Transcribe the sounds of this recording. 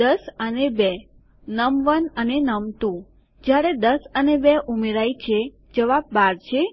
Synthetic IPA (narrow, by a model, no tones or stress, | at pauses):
d̪əsənebe | nəmʋənənenəmt̪ũ | d͡ʒjaɾed̪əsənebeʔumeɾajt͡ʃʰe | d͡ʒəʋab̚ːaɾt͡ʃʰe